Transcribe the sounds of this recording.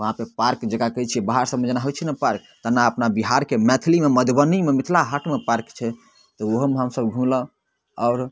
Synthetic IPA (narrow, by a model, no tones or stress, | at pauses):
ʋəɦãpepaɾkd͡ʒekakəjt͡ʃʰiɛbaɦaɾsəməd͡ʒnaɦot͡ʃʰinəpaɾk̚t̪ənaəpnabiɦaɾkemɛt̪ʰilimeməd̪ʱbənimemit̪ʰlaɦaʈʰmepaɾkt͡ʃʰɛ | t̪ɔoɦmeɦəmsəbɡʱũlə̃ | ɔʊɾ